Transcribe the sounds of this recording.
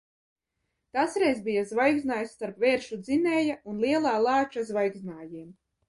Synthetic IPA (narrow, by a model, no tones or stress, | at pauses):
t̪asɾɛjzbijazvajɡznaːjsːt̪aɾpvɛːɾʃud̪zinɛːjaunlˠiɛlˠaːlˠaːt͡ʃazvajɡznaːjiːm